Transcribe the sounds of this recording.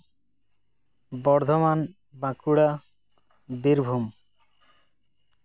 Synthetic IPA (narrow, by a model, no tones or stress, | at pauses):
bɔɾd̪ʱoman | bãkuɽa | biɾbʱum